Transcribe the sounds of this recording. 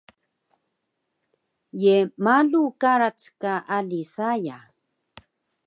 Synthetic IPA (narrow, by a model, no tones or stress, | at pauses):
jemalukaɾat͡skaʔalisaja